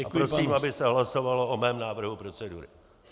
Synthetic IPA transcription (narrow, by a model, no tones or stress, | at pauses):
aɾɾosiːmabɪsɛɦlaso̞valoʔomɛːmnaːvr̩ɦupɾo̞t͡sɛdṵɾɪ̰